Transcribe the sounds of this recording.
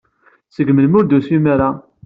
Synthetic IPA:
səɡməlmʊɾd̪usimaɾa

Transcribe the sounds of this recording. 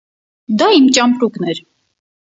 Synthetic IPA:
d̪aimt͡ʃʼampɾuknɛɾ

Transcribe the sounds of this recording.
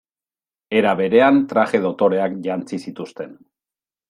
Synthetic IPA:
e̞ɾaβe̞ɾe̞ant̪ɾaʝe̞ð̞o̞t̪o̞ɾe̞akʝant͡sisit̪ust̪e̞n

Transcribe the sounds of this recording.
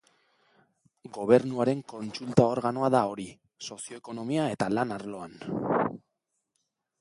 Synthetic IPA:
ɡo̞β̞e̞ɾnuaɾe̞ŋko̞nt͡sult̪ao̞ɾɣano̞aðao̞ɾi | so̞sio̞eko̞no̞miae̞t̪alanaɾlo̞an

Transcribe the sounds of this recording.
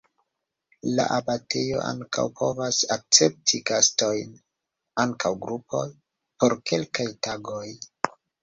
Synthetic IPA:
la̰ʔabate̞jo̞̰ʔa̰ŋka̰wpʰo̞vasak̚t͡se̞p̚tʰiɡasto̞jn | aŋkʰawɡɾupʰo̞j | po̞ɾke̞lkajtaɡoj

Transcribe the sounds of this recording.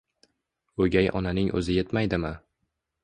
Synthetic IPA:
ɵɡʲajʔɒ̰nanɪŋʔɵ̰zɪjet̪majd̪ɪmɪ

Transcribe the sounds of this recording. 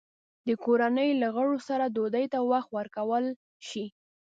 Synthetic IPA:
d̪əkoɾanəjlaɣəɽosaɾad̪od̪əjt̪awaxt̪wəɾkawəl | ʃi

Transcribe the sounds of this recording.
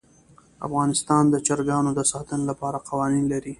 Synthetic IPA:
a̰fɣɑnɪst̪ɑnd̪ət͡ʃaɾɡɑnod̪əsɑt̪ənolapɑɾaqawɑninlaɾi

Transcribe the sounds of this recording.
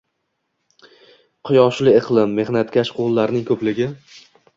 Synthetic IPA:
qʰʊjɒʃlɪɪqʰlˠɪmːe̞hnat̪kʲʰaʃqʰolˠːaɾnɪŋkʰɵplɪɡʲɪ

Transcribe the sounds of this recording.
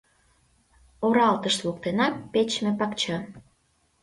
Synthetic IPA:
oɾɑlt̪əʃlokt̪enɑːet͡ɕmepɑkt͡ɕɑ

